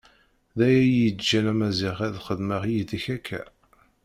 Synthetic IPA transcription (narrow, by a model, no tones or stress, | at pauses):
ðæjæjid̪d͡ʒælæmæzɪʁæðχəðməʁjid̪içækʰːæ̰